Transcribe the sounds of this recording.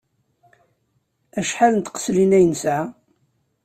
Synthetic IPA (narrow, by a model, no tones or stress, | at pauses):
æʃħalənt̪qə̥slinæjənsʕa